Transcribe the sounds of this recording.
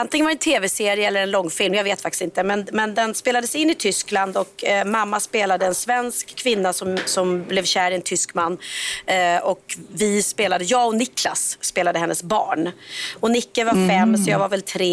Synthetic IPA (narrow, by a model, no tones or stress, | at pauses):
ant̪ɪŋənvaɾɛnt̪ʰeːvɛseːɾɪəɛlːəɾɛnlɔŋːfɪlmjaveːt̪fakt̪ɪ̥sɪnt̪əmɛnmɛnd̪ɛnspeːlad̪əsɪnːɪt̪ʰʏskland̪ɔkmamːaspeːlad̪əɛnsvɛnskʰːvɪnːasɔmsɔmblɛvɕæːɾɪɛnt̪ʰʏskmanː | ɔkvɪspeːlad̪əjɑːɔnɪkʰlasːpeːlad̪əhɛnːəsbɑ̰ːɳɔnɪkːəvaɾfɛmːsɔjɑvaɾvɛlt̪ʰɾeː